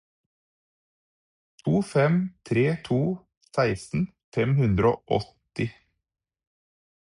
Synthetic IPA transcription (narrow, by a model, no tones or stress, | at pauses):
t̪ʰuːfɛmt̪ʰɾeːt̪ʰuː | sæɪsn̩ | fɛmhʉnd̪ɾoːʔɔ̰t̪ɪ